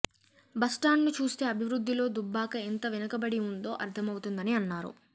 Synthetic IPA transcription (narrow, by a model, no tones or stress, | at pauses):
bɐsʈaːnnit͡ʃuːst̪e̞ːɐbʱiʋɾud̪ːilo̞ːd̪ubːaːkɐent̪ɐʋinɐkɐbɐɽiund̪o̞ːʔɐ̰ɾt̪ʰɐmɐwut̪und̪ɐniɐnːaːɾṵ